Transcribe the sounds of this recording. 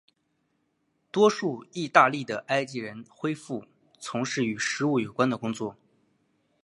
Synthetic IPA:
t̪wɔ˥ʂu˥˧i˥˧t̪a˥˧li˥˩d̪ə˩ʔa˥ɪt͡ɕi˧˥ɻə˧˥nxwe˥ɪfu˥˩ | t͡sʰʊ˧˥ŋʂɻ̩˥˩y˨˩ʂɻ̩˧˥u˥˩jo˨˩ʊkwa˥nd̪ə˨kʊ˥ŋt͡swɔ˥˩

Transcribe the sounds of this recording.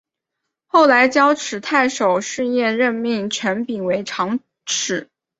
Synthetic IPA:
xo˥˩ʊla˧˥ɪt͡ɕjɑ˥ʊʈ͡ʂʰɻ̩˨˩t̪ʰa˥˩ɪʂo˨˩ʊʂɻ̩˥˧jɛ˥˧nɻə˥˧nmi˥˩ŋt͡ɕʰɥɛ˧˥npi˨˩nwe˧˥ɪʈ͡ʂʰɑ˧˥ŋ | ʈ͡ʂʰɻ̩˨˩˦

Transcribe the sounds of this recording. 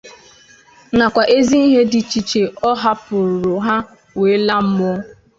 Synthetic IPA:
na˨kʷa˨ʔe˦zi˦i˦ɦe˦dɪ˨t͡ʃi˨t͡ʃe˨ɔ˦ɦa˦pʊ˨ɾʊ˨ɾʊ˨ɦa˦ | we˨˦la˦m̩˦mʊ˦

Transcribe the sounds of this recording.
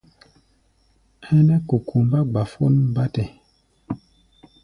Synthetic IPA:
ɛ˦nɛ˦ku˨kʰu˨m˦ba˦ɡ͡ba˨fo˦n˦m˦ba˦tɛ˨

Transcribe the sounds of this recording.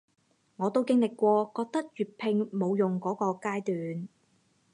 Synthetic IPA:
ŋɔː˨˧t̪o˥wkɪ˥ŋlɪ˨kːʷɔː˧kɔː˧k̚t̪ɐ˥k̚jyː˨˩t̚pʰɪ˧ŋmo˨˧wjʊ˨ŋkɔː˨˥kɔː˧kaː˥jt̪yː˨n

